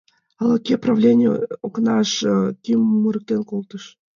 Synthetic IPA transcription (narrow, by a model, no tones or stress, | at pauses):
ɑlɑkʲeprɑvlʲenʲɪəoknɑʃkʲimmuɾək̚t̪enkolˠt̪əʃ